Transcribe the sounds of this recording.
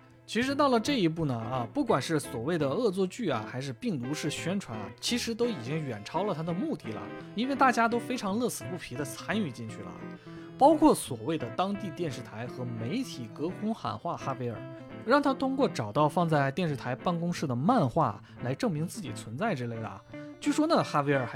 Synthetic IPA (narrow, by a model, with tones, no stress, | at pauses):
t͡ɕʰi˧˥ʂɻ̩˧˥t̪ɑ˥˩ʊlə˩ʈ͡ʂɤ˥˩i˧˥p̬u˥˩nə˩ɐ˧pu˥˩kwa˨˩nʂɻ̩˥˩swɔ˨˩we˥˩ɪd̪ə˩ɤ˥˧t͡swɔ˥˧t͡ɕy˥˩a̰˩xa˧˥ɪʂɻ̩˥˧pi˥˩ŋt̪u˧˥ʂɻ̩˥˩ɕɥɛ˥nʈ͡ʂʰwa˧˥n̰˩t͡ɕʰi˧˥ʂɻ̩˧˥t̪o˥ʊi˨˩t͡ɕi˥ŋɥɛ˨˩nʈ͡ʂʰɑ˥ʊlə˨t̪ʰa˥d̪ə˨mu˥˧t̪i˥˩lə̰˩ | i˥nwe˥˧ɪt̪a˥˩t͡ɕja˥t̪̬o˥ʊfe˥ɪʈ͡ʂʰɑ˧˥ŋlɤ˥˩sɹ̩˨˩pu˥˩pʰi˧˥d̪ə˧t͡sʰa˥ny˥˧t͡ɕi˥˧ŋt͡ɕʰy˥˩lə̰˩ | pɑ˥ʊkʰwɔ˥˩swɔ˨˩we˥˩ɪd̪ə˩t̪ɑ˥ŋt̪i˥˧t̪jɛ˥˧nʂɻ̩˥˩t̪ʰa˧˥ɪxɤ˧˥me˧˥ɪt̪ʰi˨˩kɤ˧˥kʰʊ˥ŋxa̰˨˩nxwa˥˩xa˥we˥ɪə̰˞˨˩ | ɻɑ˥˩ŋt̪ʰa˥t̪ʰʊ˥ŋkwɔ˥˩ʈ͡ʂɑ˨˩ʊt̪ɑ˥˧ʊfɑ˥˧ŋt͡sa˥˩ɪt̪jɛ˥˧nʂɻ̩˥˩t̪ʰa˧˥ɪpa˥˩nkʊ˥ŋʂɻ̩˥˩d̪ə˩ma˥˧nxwa̰˥˩ | la˧˥ɪʈ͡ʂɤ˥˩ŋmi˧˥ŋt͡sɹ̩˥˩t͡ɕi˨˩t͡sʰwə˧˥nt͡sa˥˩ɪʈ͡ʂ̩˥le˥˩ɪlə̰˩t͡ɕo˥˩ʂwɔ˥na˥˩xa˥e˥ɪə˞˨˩˥